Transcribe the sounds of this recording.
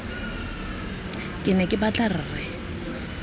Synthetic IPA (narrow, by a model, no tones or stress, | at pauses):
kʼɪnɛkʼɪbat͡ɬʼarɪːrɪ